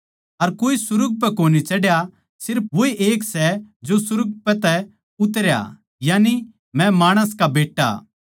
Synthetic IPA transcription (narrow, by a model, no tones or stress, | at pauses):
ɐɾkoːisʊɾʊɡ̚p̬ɛkoːnit͡ʃɐɽja | sɪɾp̚ʰʋoːiʔeːksɛd͡ʒosʊɾʊɡ̚pɛt̪ɛ | ʊt̪ɾja̰ | jaːni | mɛ̃maːɽ̃əskabeːʈːa̰